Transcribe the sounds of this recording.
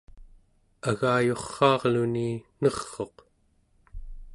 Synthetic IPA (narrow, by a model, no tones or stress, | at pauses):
aɣaːjo̞χːɑːʁluninʌχːo̞q